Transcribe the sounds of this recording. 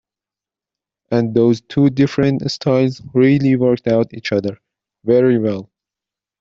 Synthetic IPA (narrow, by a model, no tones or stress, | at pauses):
ʔæ̃nðoʊztʰudɪfɹə̃ntstʰaɪlˠzɹilˠiwɜ˞k̚tawtiːt͡ʃʌðə˞ | vɛɹiwɛlˠ